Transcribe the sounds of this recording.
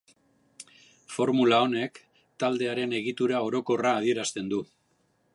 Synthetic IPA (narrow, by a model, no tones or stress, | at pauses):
fo̞ɾmulao̞ne̞k | t̪ald̪e̞aɾe̞ne̞ɣit̪uɾao̞ɾo̞ko̞raːð̞ie̞ɾast̪e̞nd̪u